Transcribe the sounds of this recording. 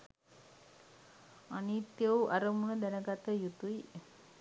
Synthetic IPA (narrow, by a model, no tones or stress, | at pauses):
anit̪jəwʔaɾəmunəd̪ɛnəɡat̪əjut̪uj